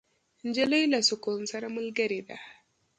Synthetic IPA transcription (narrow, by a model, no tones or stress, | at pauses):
n̩d͡ʒelajlasʊkʊnsɐɾmʊlɡɐɾeda̰